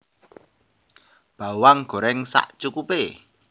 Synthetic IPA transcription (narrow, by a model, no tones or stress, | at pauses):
b̥a̤waŋɡ̥o̤ɾɛŋsa̰ʔt͡ʃukupe